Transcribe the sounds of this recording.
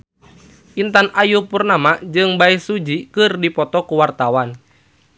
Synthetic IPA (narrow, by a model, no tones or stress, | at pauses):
ʔint̪anajupurnamad͡ʒɨŋbaisud͡ʒikɨrdipɔt̪ɔkuwart̪awan